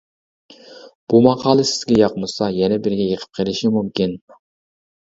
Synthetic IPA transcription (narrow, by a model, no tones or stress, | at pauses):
b̥umɑqʰɑːlˠɪsɪ̥zɡʲɛjɑqmɨsɑjɛnɛbɪɾɡʲɛjəqʰə̥p̚qʰəlˠɪʃimumkʲin